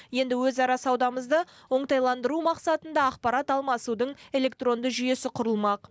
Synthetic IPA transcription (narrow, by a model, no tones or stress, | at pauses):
je̞nd̪ɪwɵzɑɾɑsɑwd̪ɑməzd̪əwo̞ɴt̪ɑjlˠɑnd̪əɾumɑqsɑt̪ənd̪ɑɑqpɑɾɑt̪ɑlˠmɑsud̪əɴe̞le̞kt̪ro̞nd̪əʒʏje̞sɪqʰʊɾəlˠmɑq